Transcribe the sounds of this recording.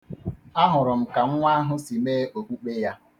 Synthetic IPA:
a˦ɦʊ˨ɾʊ˨m̩˨ka˨ŋ̩˦ŋʷa˦ɦʊ˦si˨meː˦o˨kʷu˦k͡pe˦ja˦

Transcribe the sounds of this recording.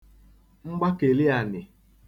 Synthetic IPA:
ŋ͡m̩˦ɡ͡ba˦ke˨lɪ˦a˨nɪ˨

